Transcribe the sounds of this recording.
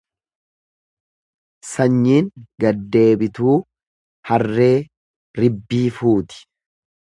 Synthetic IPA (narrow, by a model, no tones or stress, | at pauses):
sɐɲːiːŋɡɐd̪ːe̞ːbɪt̪uː | hɐrːe̞ː | ɾɪbːiːfuːt̪ɪ̥